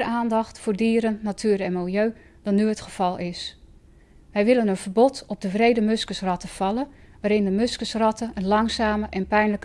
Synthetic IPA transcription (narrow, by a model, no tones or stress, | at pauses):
aːndɑxtfʊːɹdiːɾənːatʰyːɾɛnmɪlˠjøː | d̥ɑnːyətχəv̥ɑlˠɪs | ʋɛjʋɪlənənv̥ərbɔtɔb̚dəvrejdəmɵskəsrɑtəv̥ɑlˠənʋaːɾɪndəmɵskəsrɑtʰəənlɑŋsaːməʔɛnpɛjnlək